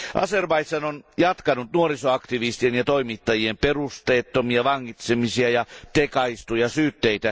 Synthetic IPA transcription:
ʔɑ̰serbɑjt̪sɑnonjɑt̪kɑnut̪nuoɾisoɑkt̪iʋist̪ienjɑt̪oimit̪ːɑjiemperust̪eːt̪ːomiɑʋɑŋːit̪semisiɑjɑt̪ekɑist̪ujɑsyːt̪ːeit̪æ

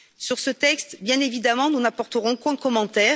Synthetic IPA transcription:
syʁsət̪ɛkst̪bjɛ̃nevid̪amɑ̃nunapɔʁt̪əʁɔ̃kɛ̃kɔmɑ̃t̪ɛː

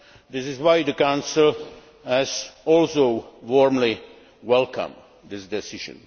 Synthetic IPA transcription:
d̪ɪsɪzwaɪd̪əkãʊ̃nsɪlˠ | hæzɔlsoʊwɔɹmli | wɛlkʰə̰̃m | d̪ɪsdɛsɪʒɨ̰̃n

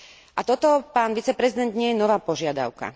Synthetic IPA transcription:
ʔat̪ɔt̪ɔpaːnʋit͡sɛpɾɛzid̪ɛnd̪ɲɪɛjɛnɔʋaːpɔʒɪad̪a̰ʊka̰

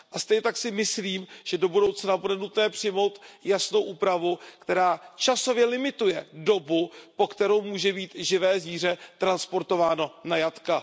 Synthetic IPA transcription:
ʔast̪ɛjɲɛt̪aksɪmɪsliːmʒ̥ɛdo̞budo̞wt͡snabudɛnut̪nɛːpr̝̥ɪmo̞wt̪jasno̞wʔuːpɾavukt̪ɛɾaːt͡ʃaso̞vjɛlɪmɪt̪ujɛdo̞bupo̞kt̪ɛɾo̞wmuːʒɛbiːt̪ʒɪvɛːziːr̝ɛt̪ɾanspo̞ɾt̪o̞vaːno̞najat̪ka

